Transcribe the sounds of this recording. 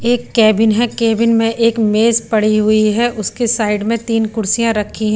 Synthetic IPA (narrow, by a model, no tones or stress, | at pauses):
eːkːɛːbɪnɦɛ̃kɛːbɪnmẽʔeːkmeːzpɐɽ̤iɦʊiɦɛʔʊskesaːɪɖmẽt̪iːnkʊɾsijãɾɐkʰːiɦɛ̃